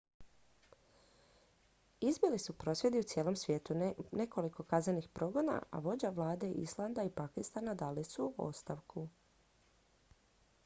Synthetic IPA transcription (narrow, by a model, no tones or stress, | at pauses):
izbilisupɾo̞sʋje̞d̪iut̪sjeːlˠo̞msʋje̞ːt̪une̞ko̞liko̞kaznenixpɾo̞ɡo̞na̰a̰ʋo̞d͡ʑaʋlˠaːd̪e̞ʔḭslˠand̪aipakist̪anad̪aːlisuo̰st̪aʋkʰu